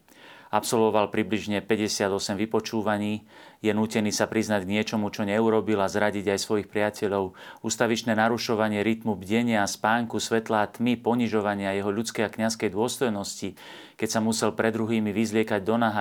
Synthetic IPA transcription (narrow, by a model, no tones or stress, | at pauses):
apsɔlʋɔʋalpɾibliʒɲɛpɛɟɛsɪad̪ɔsɛmʋipɔt͡ʃuːʋaɲiː | jɛnuːcɛniːsapɾiznaɟɡɲɪɛt͡ʃɔmut͡ʃɔɲɛuɾɔbilazɾaɟiɟajsʋɔjixpɾɪacɛʎɔʊuːst̪aʋit͡ʃnɛːnaɾuʃɔʋaɲɪɛɾit̪mubɟɛɲɪaspaːŋkusʋɛt̪laːt̪mipɔɲiʒɔʋaɲɪajɛɦɔʎut͡skɛjakɲaskɛjd̪ʊɔst̪ɔjnɔsci | kɛcsamusɛlpɾɛd̪ɾuɦiːmiʋizlɪɛkaɟd̪ɔnaɦa